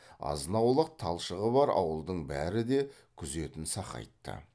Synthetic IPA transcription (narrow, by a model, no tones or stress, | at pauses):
ɑ̰zənɑwlˠəq̚t̪ʰɑlˠʃəʁəbɑɾɑ̰wəlˠd̪əɴbæɾɪd̪e̞ | kʲʰʏze̞t̪ɪnsɑqɑ̰jt̪ːə̰